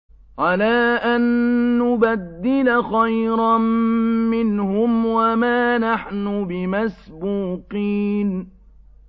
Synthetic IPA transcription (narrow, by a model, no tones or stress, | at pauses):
ʕalaːʔanːʊbad̪ːɪlaxajɾa | mɪnhʊmwamaːnaħnʊbɪmasbuːqiːn